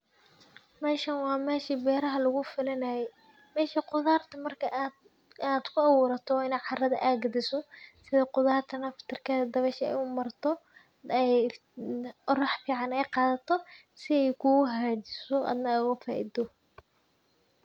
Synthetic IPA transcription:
mɛːʃɐnwɑːmɛːʃibɛːɾɐɦɐlʊɣʊfɪlɐnɐjɛj | mɛːʃiqʊðaːrt̪ʰɐmɐrkʰɐʔ̪ | ad̪̥kʰʊɐwʊːɾɐt̪ʰɔwːɪnɛːʕɑrɐðɐ̰ʔaːɡɐd̪ɪsɔsɪðɐqʊðaːrt̪ʰɐnɐft̪ʰɪrkʰɐðɐd̪ɐβɛʃɐɛ̰jʊmɐrt̪ʰɔ | ɛj | qɔɾɐħfiːʕɑnɛjqɑːðɐt̪ʰɔ | sɪɛjkʰʊɣɦaːd͡ʒɪsɔʔɑ̰ːd̪nɐʊɣɐfaːʔḭd̪ɔ

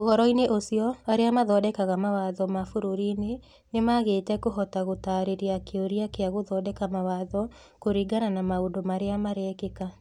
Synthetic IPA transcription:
oɣɔɾɔineʔosiɔaɾeamaðɔdɛkaɣamawaðɔmafoɾoɾine | nemaɣeːtɛkoɦɔtaɣotaɾeɾeakeoɾiakeaɣoðɔːdɛkamawaðɔ | koɾiɡananamaodomaɾeamaɾɛːkeka

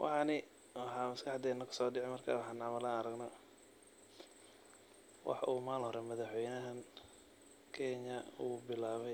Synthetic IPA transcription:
wʔɑ̰ħɑnɪ | wɑħɑːmɐskʰɑħd̪ɛːnɐkʰɐ̥sɔːɖɪʕɛjmɐrkʰa̰ːwɑħɑːnɑːmɐlɐɐɾɐɡnɐ | wʔɑ̰ħʔṵːmaːlhɔɾɛmɐðɑħwɛjnɐɦɐn | kʰɛɲɐuːbɪlaːβɛj

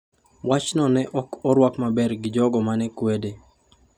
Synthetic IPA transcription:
wat͡ʃnɔnɛʔɔkɔɾwakmabɛrɡɪd͡ʒɔɡɔmanɛkwede

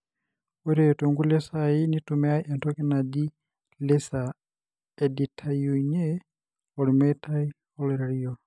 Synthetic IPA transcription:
ɛɾɛtoŋɡulɛsainitumɛaiʔɛntʰɔkɛnadi | lɛsa | ɛditʰajuɲɛ | ɔlimɛtʰai | ɔlɛɾalijɔ

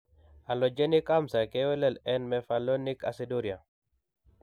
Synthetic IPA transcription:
alɔd͡ʒenikamsakɛwɛlɛlɛnmɛfalɔnika̰sidoɾja

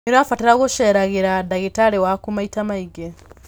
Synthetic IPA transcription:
iɾafateɾaɣoʃeɾaɣeɾadaɣetaɾewakumaitamaiɡe

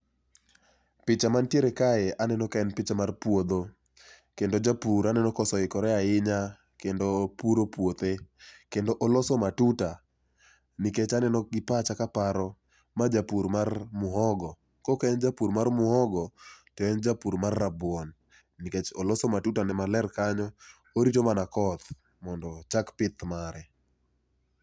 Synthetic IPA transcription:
pɪt͡ʃamantjeɾekaeanɛnɔkaɛnpɪt͡ʃamarpwod̪o | kendod͡ʒapuɾanɛnɔkɔsɔɪkɔɾɛaɪɲa | kendopuɾopwot̪ekendoʔolɔsɔmatuta | niket͡ʃanɛnɔɡɪpat͡ʃakapaɾɔ | mad͡ʒapuɾmarmʊɦɔɡɔ | kɔkɛnd͡ʒapuɾmarmʊhɔɡɔtɔɛnd͡ʒapuɾmarːabwɔnː | iket͡ʃolɔsɔmatutanɛmalɛrkaɲɔ | oɾitomanakɔt̪ | mɔndɔt͡ʃakpɪt̪maɾɛ

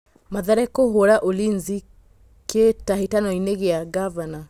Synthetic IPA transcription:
maðaɾɛkoɦoɾaʔolinzi | kʰetaɦetanɔineɣeaɡavana

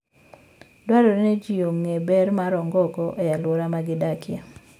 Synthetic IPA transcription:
dwaɾɔɾned͡ʒijoŋːebɛɾmaɾɔŋɡɔkɔʔɔjalwoɾamaɡɪdakɪa

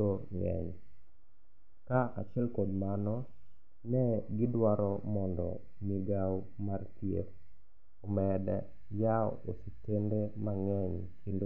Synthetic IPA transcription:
oŋɛ̰ɲ | kaa̰t͡ʃjɛlkodmanɔ | nɛɡɪdwaɾɔmɔndɔ̰ | miɡaw | martjḛk̚ | omɛdɛ̰ | jaɔositendemaŋɛɲkindo

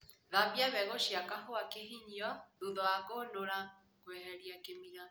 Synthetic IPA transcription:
ðabjaβɛɣoʃjakaɦoakeɦiɲiɔðuðɔaɣonoɾa | kwehɛɾiakemiɾa

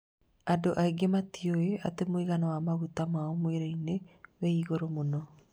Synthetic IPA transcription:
adoʔaiɡematioea̰t̪emoiɣanowamaɣut̪amaomoeɾojneweiɣoɾomono

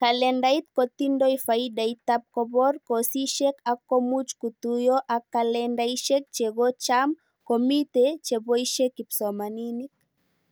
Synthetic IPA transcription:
kalɛndait̪̚kɔt̪indɔifaidait̪ap̚kɔbɔrkosiʃɛkakːomut͡ʃkut̪ujoʔakːalɛndaiʃɛk̚t͡ʃeɡɔt͡ʃam | komit̪et͡ʃebɔiʃekipsɔmaninik̚

